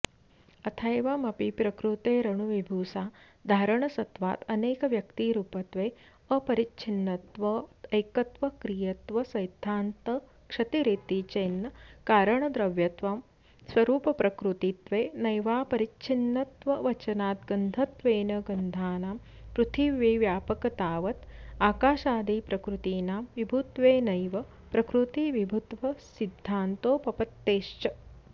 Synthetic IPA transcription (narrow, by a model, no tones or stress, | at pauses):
ɐt̪ʰɐjʋɐmɐpipɾɐkɾut̪eːɾɐɳuʋibʱuːsaː | d̪ʱaːɾɐɳɐsɐt̪ʋa̰ːt̪ɐneːkɐʋjɐkt̪iɾuːpɐt̪ʋeː | ɐpɐɾit͡ʃʰinːɐt̪ʋɐɐjkɐt̪ʋɐkɾijɐt̪ʋɐsɐjd̪ʱːaːnt̪ɐ | kʂɐt̪iɾit̪it͡ʃeːnːɐkaːɾɐɳɐd̪ɾɐʋjɐt̪ʋɐm | sʋɐɾuːpɐpɾɐkɾut̪it̪ʋeːnɐjʋaːpɐɾit͡ʃʰinːɐt̪ʋɐʋɐt͡ʃɐnaːt̪ɡɐnd̪ʱɐt̪ʋeːnɐɡɐnd̪ʱaːnaːm | pɾut̪ʰiʋjeːʋjaːpɐkɐt̪aːʋɐt̪aːkaːʃaːd̪iːpɾɐkɾut̪iːnaːmʋibʱut̪ʋeːnɐjʋɐ | pɾɐkɾut̪iʋibʱut̪ʋɐsid̪ʱːaːnt̪oːpɐpɐt̪ːeːʃt͡ʃɐ